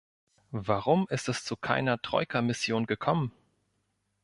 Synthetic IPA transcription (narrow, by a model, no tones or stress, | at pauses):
vaʁʊmɪstɛst͡sukʰa̰ɪnɐtʁ̥ɔ̰ʏkʰɐmɪsjoːnɡəkʰɔmən